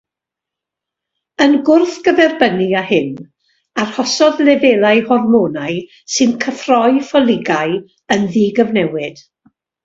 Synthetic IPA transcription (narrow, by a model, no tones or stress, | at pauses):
ənɡʊrθɡ̥əðɛrbəniahɪn | arhɔsɔðlɛveːlˠaɨhɔrmoːnaɨ | sɨnkʰəfrɔɨfɔlˠɪɡaɨ | ənðiːɡəvnɛwɪd̥